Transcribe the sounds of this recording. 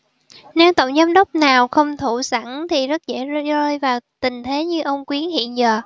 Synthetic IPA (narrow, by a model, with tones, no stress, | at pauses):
ne˨˦wt̪ə̰˧˨wŋ͡mzaː˨˧mɗə˦˥wk͡p̚naː˨˩wxə˧wŋ͡mt̪ʰu˧˩sa˧˩nt̪ʰi˨˩zə˦˥t̚zḛ˧˥zzəː˧jvaː˨˩wt̪ï˨˩ŋ̟t̪ʰe˨˦ɲɨ˧ʔə˧wŋ͡mkwi˨˦ənhḭ˧˨ənzəː˨˩